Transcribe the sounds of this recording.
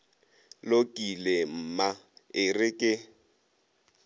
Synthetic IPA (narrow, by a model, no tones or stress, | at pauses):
lokʼilem̩maɪrɪkʼɪ